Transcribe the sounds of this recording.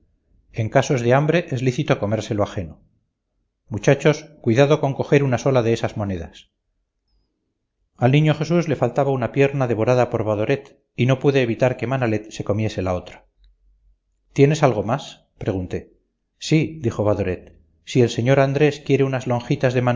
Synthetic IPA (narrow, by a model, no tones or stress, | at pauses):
e̞ŋkaso̞zðeambɾe̞ʔezliθit̪oko̞me̞ɾse̞loaxe̞no | mut͡ʃat͡ʃo̞skwiðaðo̞ko̞ŋko̞xe̞ɾunaso̞laðe̞esazmo̞ne̞ða̰s | alnĩɲo̞xe̞suzle̞falt̪aβaunapje̞ɾnaðe̞βo̞ɾaðapo̞ɾβaðo̞ɾet̪ | ino̞puðeːβit̪aɾke̞manale̞t̪se̞ko̞mje̞se̞lao̞t̪ɾḁ | t̪je̞ne̞salɣo̞mas | pɾe̞ɣ̞unt̪e̞ | sid̪ixoβaðo̞ɾe̞t̪̚ | sie̞lseɲo̞ɾand̪ɾe̞skje̞ɾeunazlo̞ŋxit̪azðe̞man